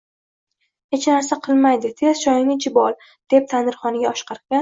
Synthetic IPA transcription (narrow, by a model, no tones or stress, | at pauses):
he̞t͡ʃnaɾsaqʰɨlˠmajd̪ɪt̪ʰe̞z̥ʃɒjɪnɪd͡ʒɪbɒlˠ | d̪̥e̞p̚t̪ʰanɪɾχɒnɪɡʲaɒʃqʰɑɾkʲan